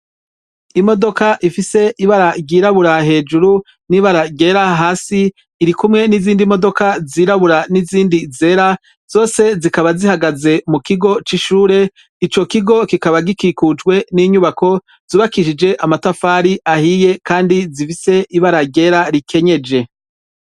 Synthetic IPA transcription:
imo̞do̞kaʔifise̞ʔiβaɾaɟiːɾaβuɾahe̞ːd͡ʒuɾu | niβaɾaɡe̞ɾaɦaːsiː | ɾikumŋe̞niziːndimo̞do̞kaziːɾaβuɾaniziːndize̞ːɾa | z̥o̞ːse̞zikaβazihaɡaze̞mukiɡo̞t͡ʃiʃuːɾe̞ | it͡ʃo̞kiɡo̞kikaβaɡikikud͡ʒɡwe̞niɲuβako̞ | z̥uːβakiʃid͡ʒe̞ʔamatafaːɾiʔahiːje̞kaːndizifise̞ʔiβaɾaɡe̞ɾaɾikʰe̞ɲe̞d͡ʒe̞

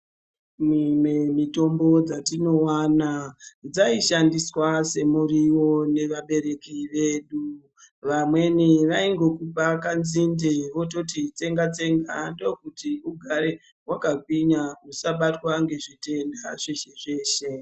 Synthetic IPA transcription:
mumemito̞mbo̞d͡zatino̞waːnad͡zaiʃandiswase̞muɾiwo̞ne̞ʋaɓe̞ɾe̞kiʋe̞ːɗu | ʋamwe̞niʋaiŋɡo̞kupakanzindeʋo̞t̬o̞tit͡se̞ŋɡat͡se̞ŋɡando̞kutiuɡʱaɾe̞ | wakak̚wiɲausaɓatwaŋɡe̞ʐite̞ndaʐeʃeʐe̞ːʃe̞

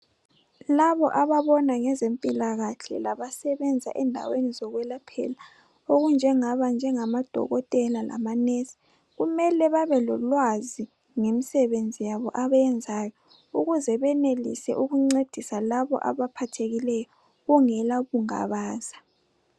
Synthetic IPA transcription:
laβɔʔaβaβɔnaŋɛzempʼilaɣaɬɛ̰laβasɛβɛnd͡zʱa̰ʔɛndʱa̰wenizɔɣwɛlapʰɛ̰la | oɣund͡ʒʱɛŋaβand͡ʒʱɛŋamad̥ʱɔ̰ɣɔtʼɛlalʔa̰manesi̥ | ɣumɛlɛβaβɛlɔlwazi | ŋemisɛβend͡zʱijaβɔʔaβaɛnd͡zʱajɔ | uɣuzɛβɛnelḭsɛ̰ʔuɣuŋ͡ǀed̥ʱisalaβɔ̰ʔa̰βapʰatʰeɣilɛjɔ | ɣuŋɛlaɣuŋa̰βaːz̥ḁ

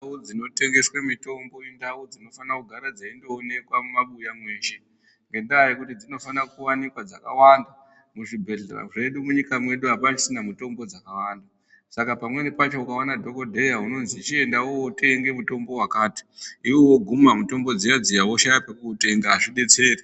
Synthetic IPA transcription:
ud͡zino̞te̞ŋɡe̞swemito̞mbo̞endaud͡zino̞fanakuɡʱaɾad͡zaindoːne̞kwamumaɓujamwe̞ːʃe̞ | ŋɡe̞ndajikutid͡zino̞fanakuwanikwad͡zakawanda | muʐibʱe̞ɮera̰ʐe̞ɗumuɲikamwe̞ɗuɦapat͡ʃisinamuto̞mbo̞d͡zakawaːnda | sakapamwe̞nepat͡ʃo̞ukawanadʱo̞ko̞dʱe̞jauno̞nzit͡ʃie̞ndawowote̞ŋɡe̞muto̞mbo̞wakaːti̥iwowoɡʱumamuto̞mbo̞d͡zijad͡zijawoʃajapekuːte̞ŋɡaʐiɗe̞t͡se̞ːri

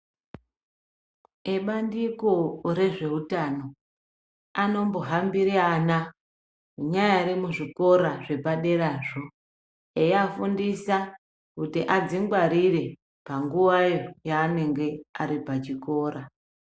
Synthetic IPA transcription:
eɓandiko̞ɾe̞ʐe̞ɦutano̞ | ano̞mbo̞ɦambiɾiana | uɲajaɾimuʐiko̞ɾaʐe̞paɗe̞ɾaːʐo̞ | ejafundisa | kutiʔad͡ziŋɡwaɾire̞ | paŋɡuʋajo̞jaːne̞ŋɡe̞aɾipat͡ʃiko̞ːɾa

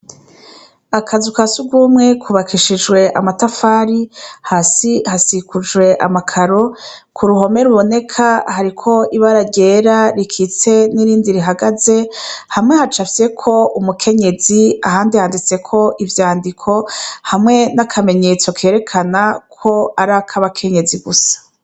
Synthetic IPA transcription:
akʰazukasuɡwuːmŋe̞kʰuβakiʃid͡ʒwe̞ʔamatafaːɾihasihasikud͡ʒwe̞ʔamakʰaɾo̞ | kʰuɾuɦo̞me̞ɾuβo̞ne̞kʰahaɾikʰo̞ʔiβaɾaɾɟe̞ːɾaɾikʰit͡se̞niɾiːndiɾiɦaɡaze̞hamŋe̞hat͡ʃafe̞kʰo̞umukʰe̞ɲe̞ziaɦaːndihaːndit͡se̞kʰo̞ʔivjaːndikʰo̞hamŋe̞nakʰame̞ɲe̞t͡so̞kʰe̞ːɾe̞kʰanakʰo̞aɾakʰaβakʰe̞ɲe̞ziɡusḁ

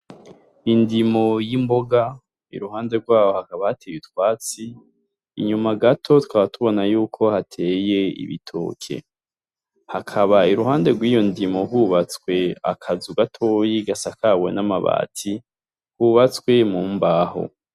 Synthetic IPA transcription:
indimo̞jimbo̞ɡa | ḭɾuɦaːnde̞ɾɡwaːwo̞hakaβahatʰejitwaːt͡siː | ɲumaɡatʰo̞tu̥kaβatuβo̞najuːkʰo̞hatʰe̞ːje̞ḭβḭtʰo̰ːkʰe̞̰ | hakʰaβaiɾuɦaːnde̞ɾɡwiːjo̞ndimo̞ɦuβat͡swe̞a̰kʰazuɡatʰo̞ːjiɡasakʰawe̞̰namaβa̰ːtʰi | huβat͡skwe̞muːmbaːho̞̰

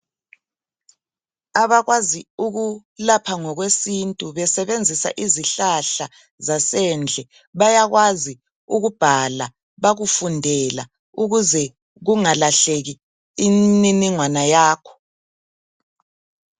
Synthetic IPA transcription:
aβaɣwaziuɣulapʰaŋɔɣwesintʼuβɛsɛβend͡zʱisa̰ʔiziɬaɬa | zasɛnd͡ɮʱɛ | βajaɣwazi | uɣub̥ʱala | βaɣufundʱɛla̰ | uɣuzɛ | ɣuŋalaɬeɣiː | niniŋwanajaːkʰɔ̥

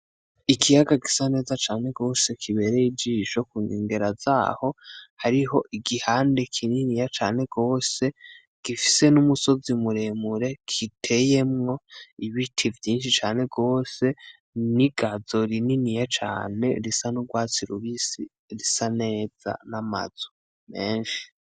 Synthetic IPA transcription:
ikʰijaɡaɡisane̞ːzat͡ʃaːne̞ɡo̞ːse̞kʰiβe̞ɾejid͡ʒiʃokuŋḭːŋɡe̞ɾaz̥a̰ːho̞haɾiɦo̞ʔiɡihaːnde̞kʰininijat͡ʃaːne̞ɡo̞ːse̞ | ɡ̥ifise̞numuso̞zimuɾe̞muɾe̞kʰitʰe̞je̞mŋo̞iβitʰivjiːnʃit͡ʃaːne̞ɡo̞ːse̞ | niɡazo̞ɾininijat͡ʃa̰ːne̞̰ɾisanuɡwaːt͡siɾuβisi | ɾisane̞ːz̥a̰nama̰z̥u̥ | me̞ːnʃi̥

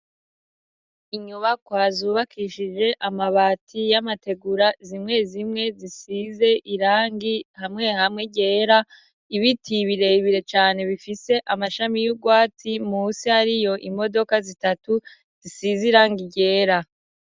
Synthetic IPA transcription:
iɲuβakwaːzuːβakʰiʃid͡ʒe̞ʔamaβatʰijamate̞ɡuɾazimŋe̞zimŋe̞zisize̞ʔiɾaːŋɡihamŋe̞hamŋe̞ɟe̞ːɾa | iβitʰiβiɾe̞iβiɾe̞t͡ʃaːne̞βifise̞ʔamaʃamijuɡwaːtʰimuːsihaɾijo̞ʔimo̞do̞kazitatu | z̥isiziɾaːŋɡiɟe̞ːɾa

